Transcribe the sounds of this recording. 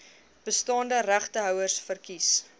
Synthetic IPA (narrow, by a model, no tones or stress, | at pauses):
b̥əstɑːndəɾæχtəɦœwərsfərkis